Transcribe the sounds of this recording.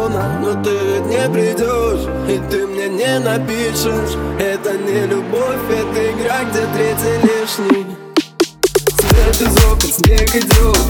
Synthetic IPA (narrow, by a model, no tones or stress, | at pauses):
nənot̪ɨt̪nʲepɾʲɪdʲoʂ | it̪ɨmnʲenʲenɐpʲiʂɨʂɛt̪ənʲɪlʲʊbofʲɛt̪ɨɪɡɾaɡ̚dʲet̪ɾʲetʲɪlʲiʂnʲɪj | sʲvʲebʲɪzopɨt̪nʲevʲɪdʲo